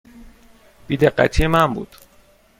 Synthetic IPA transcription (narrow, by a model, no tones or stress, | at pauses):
b̥iːd̪eɢːæ̰t̪ʰijemæmbṵːd̪̥